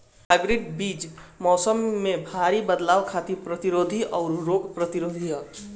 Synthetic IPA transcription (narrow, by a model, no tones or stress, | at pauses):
paːɡɾeɖbiːd͡ʒmɔːsəmːẽbʱaːɾibəd̪laːʋkʰaːt̪ipɾət̪iɾoːd̪ʱiʔɔːɾɾoːɡpɾət̪iɾoːd̪ʱiɦə